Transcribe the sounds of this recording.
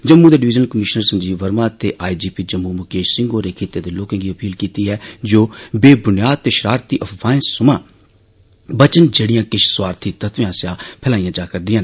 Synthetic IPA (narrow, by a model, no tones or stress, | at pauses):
d͡ʒəmːuːd̪eːɖɪʋɪːd͡ʒənkəmɪʃnəɾsə̃nd͡ʒiːʋəɾmãːt̪eːʔaːid͡ʒiːpiːd͡ʒəmːuːmʊkeːʃsɪ̃ŋɡoːɾeːkʰeːt̪eːd̪eːloːkə̃ŋɡiːəpiːlkiːt̪iːɦɛːd͡ʒoːbeːbʊnijaːd̪̚t̪eːʃəɾaːɾt̪iːʔəpʰʋãːɪ̃sʊmãː | bət͡ʃənd͡ʒeːɽijãːkɪʃʰswaːɾt̪ʰiːt̪ət̪ʋẽãːsjãːpʰɛːlaːĩãːd͡ʒaːkəɾd̪ɪijãːnː